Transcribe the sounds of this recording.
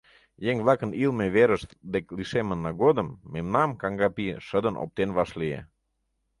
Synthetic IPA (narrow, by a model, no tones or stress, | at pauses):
jeŋβlˠɑkənilmeβeɾəʃt̪d̪ekliʃemə̆nːɑɡod̪əmːemnɑmkɑŋɡɑpiʃəd̪ə̆nʔo̰p̚t̪enβɑʃliḛ